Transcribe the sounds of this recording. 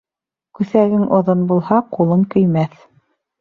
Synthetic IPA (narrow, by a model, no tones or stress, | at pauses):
kʉθæɡɘŋʔŏðonbulˠhɑqulˠɤŋkɵ̆jmæθ